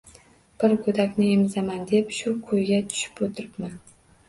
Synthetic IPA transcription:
b̥ɪɾkʰɵd̪akʲnɪemzamand̪epʃʊkʰɵjɡʲat̪ʰʊ̥ʃɪ̥pot̪ʰɪɾɪpman

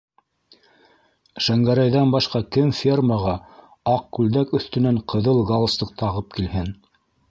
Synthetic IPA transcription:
ʃæŋɡæɾæjðænbɑʃqɑkɘmfʲermɑʁɑ | ɑq̚kʉld̪ækɵ̆θt̪ɵ̆næɴqɤ̆ðɤlˠɡɑlˠslˠɤq̚t̪ɑʁɤp̚kilhɘn

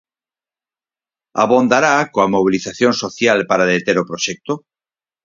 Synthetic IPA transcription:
a̰βond̪aɾakoamoβ̞iliθaθjonsoθjalpaɾaðet̪eɾopɾoʃɛk̚t̪o

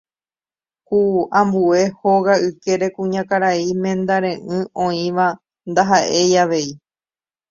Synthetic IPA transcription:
kuãmbue̞ho̞ɣaɨke̞ɾe̞kũɲãkaɾaimẽ̞nd̪aɾ̃ẽ̞ʔɨ̃õ̞ĩʋa | nd̪aɦaʔe̞jaʋe̞i

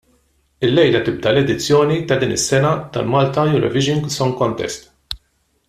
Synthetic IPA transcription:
ɪlːɛjlɐt̪ɪb̚d̪ɐlɛd̪ɪt͡sːjɔːnit̪ɐd̪iːnɪsːɛnɐt̪ɐ̰lmɐːlt̪ɐjʊɾɔ̰vɪʒɪŋɡsɔŋkɔnt̪ɛ̰st̪

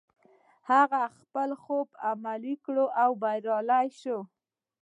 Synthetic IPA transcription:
haɣaxpəlxobamalikɽoʔawbajɾɑlajʃo

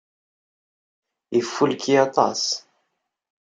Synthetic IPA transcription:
jəfːulkʰiɑt̪ˤɑ̰s

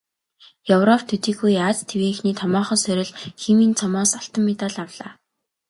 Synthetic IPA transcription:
jɵwrɔpʰt̪ʰɵt̪iːxujaːt͡st̪ʰeweːxniːt̪ʰɔmɔːχɞ̆nsœɾʲɪ̆ɮxemiːnt͡sʰɔmɔːsaɬt̪ə̆mːet̪aɮawɮaː

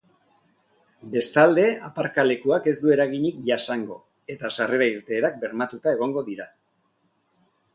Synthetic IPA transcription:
be̞st̪ald̪e̞apaɾkale̞kuake̞zd̪ue̞ɾaɣiɲikʝasaŋɡo̞̰ | e̞t̪asare̞ɾaiɾt̪e̞ːɾak̚be̞ɾmat̪ut̪ae̞ɣ̞o̞ŋɡo̞ðiɾa

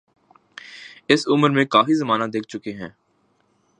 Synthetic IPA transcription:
ɪsʊməɾmẽkaːfizɐmaːnad̪eːk̚ʰt͡ʃʊkeɦɛ̃ː

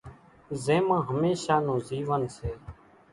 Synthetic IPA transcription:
zẽːmãːɦəmeːʃaːnõːziːʋənseː

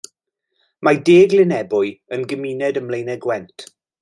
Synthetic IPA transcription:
madeːɡlɪnɛbʊɨənɡəmiːnɛdəmlejnɛɡwɛntʰ

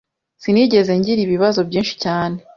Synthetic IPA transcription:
siniɟe̞ze̞ɲɟiɾiβiβazo̞bɟiːnʃi̥caːne̞

